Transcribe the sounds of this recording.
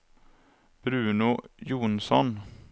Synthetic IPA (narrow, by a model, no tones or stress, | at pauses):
b̥ɾʉ̟ːnʊjuːnsɔn